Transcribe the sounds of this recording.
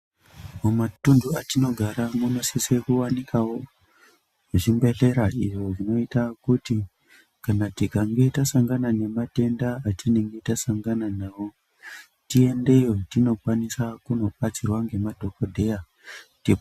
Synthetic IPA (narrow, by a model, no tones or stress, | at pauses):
omatunduatino̞ɡʱaɾamuno̞sise̞kuwanikawo | uʐimbe̞ɮe̞ɾaiʐoʐino̞itakuti | kanatikaŋɡe̞tasaŋɡanane̞mate̞ndaːtineŋɡe̞tasaŋɡananawo̞ | tie̞nde̞jo̞tino̞kwanisakuno̞ɓat͡sirwaŋɡe̞madʱo̞ko̞dʱe̞ja | ti